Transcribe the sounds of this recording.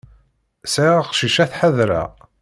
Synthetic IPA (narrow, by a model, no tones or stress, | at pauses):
saqʃiʃæθħəðɾæ̰